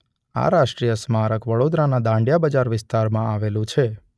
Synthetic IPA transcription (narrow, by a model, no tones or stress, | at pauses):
a̰ɾaʃʈɾijəsmaɾəkʋəɽod̪ɾanad̪ãɳɖjabəd͡ʒaɾʋɪst̪aɾmãaʋelũt͡ʃʰe